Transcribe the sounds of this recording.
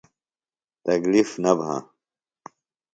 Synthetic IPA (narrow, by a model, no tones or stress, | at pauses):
t̪ɐklifnɐbʱã̰